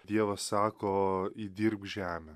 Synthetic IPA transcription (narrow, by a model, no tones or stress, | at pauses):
d̪ʲiɛʋɐssɑːkoːid̪ʲiɾpʒʲæːmʲɛ